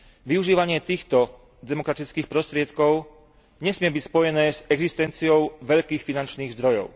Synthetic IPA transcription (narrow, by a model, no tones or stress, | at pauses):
ʋiuʒiːʋaɲɪɛt̪iːxt̪ɔ | d̪ɛmɔkɾat̪it͡skiːxpɾɔst̪ɾɪɛt̪kɔʊ | ɲɛsmɪɛbicspɔjɛnɛːzɛɡzist̪ɛnt͡siɔʊʋɛʎkiːxfinant͡ʃniːɣzd̪ɾɔjɔ̰ʊ